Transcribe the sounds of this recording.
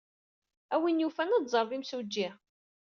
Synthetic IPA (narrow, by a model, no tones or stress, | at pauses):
æwinjufænɑd̪zˤəɾˤðˤimsud͡ʒːi